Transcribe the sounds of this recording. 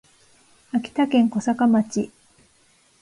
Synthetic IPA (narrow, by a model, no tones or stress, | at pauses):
akʲi̥t̪akẽ̞ŋko̞sakamat͡ɕi